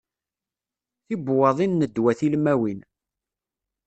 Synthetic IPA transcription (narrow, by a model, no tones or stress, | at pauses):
θibwɑðˤinːəd̪wæθilmæwin